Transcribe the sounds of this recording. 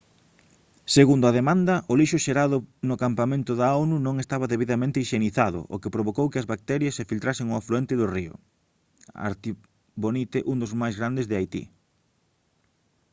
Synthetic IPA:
seɣund̪ʊaðemãnd̪ɐʔʊliʃʊʃeɾaðʊnʊkampamẽnt̪ʊðaawnunõŋest̪aβɐðeβiðamẽnt̪eiʃeniθaðʊ̰ʔo̰kepɾoβ̞okowkɪɐzβak̚t̪ɛɾjɐsːefilt̪ɾasɪŋʊafluent̪ɪðʊriʊ̰ | a̰ɾt̪i | βonit̪eʔund̪ʊzmajzɣɾand̪ezðɪajt̪ḭ

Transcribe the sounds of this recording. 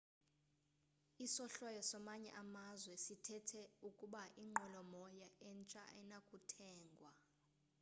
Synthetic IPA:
isɔɬwɔjɔsɔmaɲɛ̰ʔamazwɛsitʰɛtʰɛukʼuɓaʔiŋ͡ǃʱɔlɔmɔjaɛnt͡ʃʼa̰ɛnakʼutʰɛːŋɡʱwa

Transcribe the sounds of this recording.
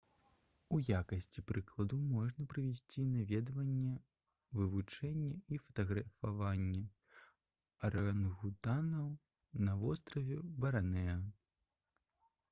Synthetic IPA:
ujakɐsʲt͡sʲipɾɨklˠɐd̪umɔʐnɐpɾɨvʲɛsʲt͡sʲinavʲɛd̪vɐnʲːɛ | vɨvut͡ʂɛnʲːɛifɐ̥t̪ɐɣɾɐfavanʲːɛ | ɾɐanɣut̪anɐw | nɐvɔst̪ɾɐvʲɛbɐɾanɛɐ

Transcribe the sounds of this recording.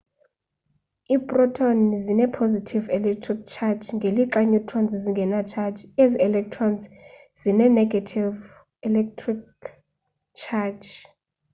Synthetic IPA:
iːpʼrɔtʰɔnzinɛpʰozitʰivɛlɛk̚tʰrik̚t͡ʃʰat͡ʃŋɡʱeliǃaɲutʰʼrɔnzziŋɡʱɛnat͡ʃʰad͡ʒeziɛlɛk̚tʰrɔnz | z̥inɛnɛɡʱatʰiv | ɛlɛk̚tʰrik | t͡ʃʰat͡ʃ

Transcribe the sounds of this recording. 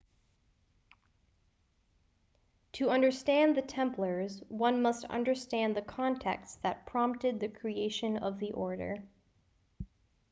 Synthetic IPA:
tʰɨʌ̃ndə˞stæ̃nðɨtʰɛ̃mpʰlə˞zwʌ̃nmʌstʌ̰̃ndə˞stæ̃nðɨkʰɑ̃ntʰɛk̚tsðɨt̚pʰɹ̥ɑ̃mp̚tɨd̪̚ðɨkʰɹ̥ieɪʃɨ̃nʌ̰vðiʔɔɹɾə̰˞

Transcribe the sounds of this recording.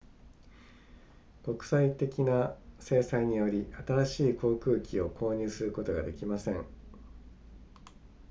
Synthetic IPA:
ko̞kɯ̟̥sait̪e̞kʲinase̞ːsaiɲ̟ijo̞ɾʲiʔat̪aɾaɕiːko̞ːkɯ̟ːkʲio̞kʰo̞ːɲ̟ɨːsɨɾɯ̟ko̞t̪o̞ɡa̰d̪e̞kʲimasẽ̞ŋ

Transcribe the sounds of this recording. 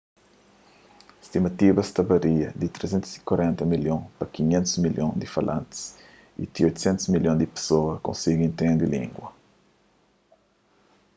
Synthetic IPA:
est̪imɐt̪ibɐst̪ɐbɐɾiɐd̪it̪ɾesẽnt̪u̥si̥kwɐɾɛ̃nt̪ɐmiljõpɐkiɲẽnt̪ʊzmiljõd̪ifɐlʔã̰nt̪i̥s | ḭt̪iojt̪usɛ̃nt̪u̥zmiljõd̪ipe̥soɐkõ̰nsiɡ̃ĩnt̪ẽnd̪ɪlḭ̃ŋɡwɐ

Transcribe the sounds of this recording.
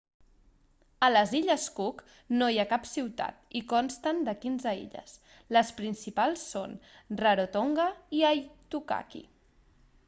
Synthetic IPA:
ələziʎəskuk | nojakapsiwt̪a̰t̪ikɔnst̪ənd̪əkinzəḭʎə̰s | ləspɾinsipalˠsːonrəɾot̪oŋɡəiajt̪uka̰kḭ

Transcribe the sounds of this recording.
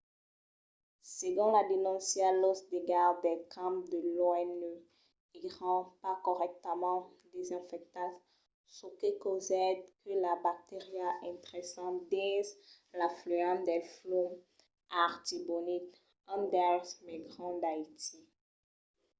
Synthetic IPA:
seɡɔ̃lad̪enɔ̃sjalosd̪eɡaʁd̪ɛkʰãpd̪əloɛnø | iʁɑ̃pakɔʁɛk̚t̪əmɑ̃ | d̪ezɛ̃fɛk̚t̪as | sokekozɛd̪kəlabak̚t̪eʁjaʔɛ̃t̪ʁɛsɑ̃t̪d̪ɛz | laflyɑ̃t̪d̪ɛflom | aʁt̪ibonit̪ | ɑ̃d̪ɛsmɛɡʁɑ̃d̪ait̪i

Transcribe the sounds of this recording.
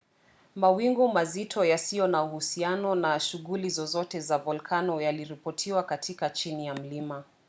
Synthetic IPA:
mawiŋɡumazitʰɔjasijɔnauhusianɔnaʃuɣulizɔzɔtɛzavɔlkʰanɔjaliɾipɔtʰiwakatʰikat͡ʃinijam̩lima

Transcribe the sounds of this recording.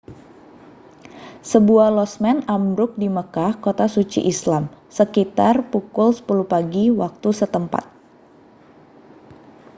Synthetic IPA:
səbuahlɔsmɛnamɾʊk̚diməkahkot̪asut͡ʃḭʔislamsəkit̪arpukulsə̥pulupaɡiwak̚t̪usət̪əmpa̰t̪̚

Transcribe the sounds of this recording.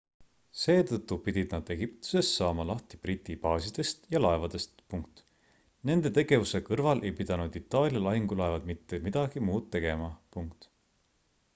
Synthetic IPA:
se̞ːt̪ɤt̪ːˑupid̪̥ʲid̪nɑd̪̥e̞ɡ̥ipt̪u̥se̞sːɑːmɑlɑht̪ib̥rit̪ʲːˑipɑːsid̪̥e̞st̪jɑlɑe̞vɑd̪̥e̞st̪puŋk̚t̪ | ne̞nd̪̥e̞t̪e̞ɡ̥e̞vuse̞kɤrvɑlʔe̞jpid̪̥ɑnud̪̥it̪ːˑɑːlʲjɑlɑɦiŋɡ̥ulɑevɑd̪mit̪ːe̞mid̪̥ɑɡ̥imuːd̪̥t̪ːe̞ɡe̞mɑpuŋkt̪

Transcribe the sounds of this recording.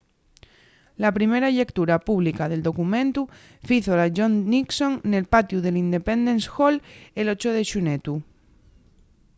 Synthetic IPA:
lapɾime̞ɾaʎe̞kt̪uɾapuβlikað̞e̞ld̪o̞kumẽnt̪u | fiθolaʝonniksõ̞ŋne̞lpat̪juð̞e̞lind̪e̞pend̪ẽ̞nsxolelot͡ʃoð̞eʃunet̪u

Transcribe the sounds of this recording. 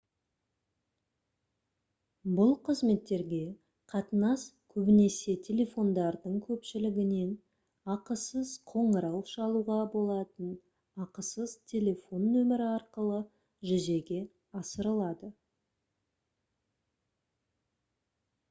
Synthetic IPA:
bʊlˠqʰəzme̞t̪ːe̞ɾɡʲe̞ | qʰɑt̪ənɑskʲʰɵbɪne̞se̞t̪ʲʰe̞lʲe̞fo̞nd̪ɑɾd̪əɴkʲʰɵpʃɪlɪɡʲɪne̞n | ɑqəsəzqʰo̞ɴəɾɑwʃɑlˠuʁɑbo̞lˠɑt̪ən | ɑqəsəzt̪ʲʰe̞lʲe̞fo̞nːɵmɪɾɪɑɾqəlˠə | ʒʏze̞ɡʲe̞ | ɑsəɾəlˠɑd̪ə

